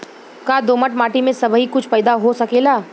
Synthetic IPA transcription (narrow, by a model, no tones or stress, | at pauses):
kaːd̪oːməʈmaːʈimẽsɐbʱɦikʊt͡ʃʰpɛːd̪aɦosɐkeːlaː